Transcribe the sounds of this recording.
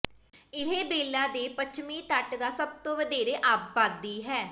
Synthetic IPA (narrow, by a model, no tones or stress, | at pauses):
ɪɦeːbeːlaːd̪eːpət͡ʃʰmiːt̪əʈd̪aːsəb̚t̪õːʋəd̪eːɾeːʔaːpbaːd̪iːɦɛː